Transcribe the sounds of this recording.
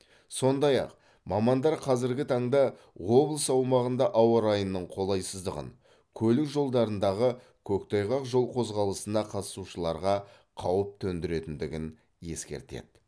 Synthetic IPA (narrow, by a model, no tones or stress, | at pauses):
so̞nd̪ɑjɑ̰q | mɑmɑnd̪ɑɾqʰɑzɪɾɡʲɪt̪ʰɑɴd̪ɑ | wo̞blˠəsɑwmɑʁənd̪ɑʔɑwɑɾɑjənːəɴqʰo̞lˠɑjsəzd̪əʁə̰n | kʲʰɵlɪkʒo̞lˠd̪ɑɾənd̪ɑʁə | kʲʰɵkt̪ʰɑjʁɑqʒo̞lˠqʰo̞zʁɑlˠəsənɑqʰɑt̪əsuʃəlˠɑɾʁɑ | qʰɑwəp̚t̪ʰɵnd̪ɪɾe̞t̪ɪnd̪ɪɡʲɪn | je̞̰skʲe̞̰ɾt̪e̞̰d̪̥